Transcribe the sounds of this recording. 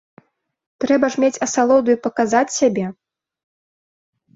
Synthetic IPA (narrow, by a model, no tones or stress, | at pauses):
t̪ɾɛbɐʐmʲet͡sʲɐsalˠɔd̪ujupɐkazat͡sʲsʲabʲɛ